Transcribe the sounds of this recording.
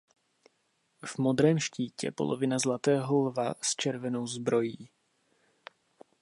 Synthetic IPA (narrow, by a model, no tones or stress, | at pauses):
v̥mo̞d̪ɾɛːmʃciːcɛ̰po̞̰lʔovɪnazlat̪ɛːɦolvast͡ʃɛɾvɛno̞wzbɾo̞jiː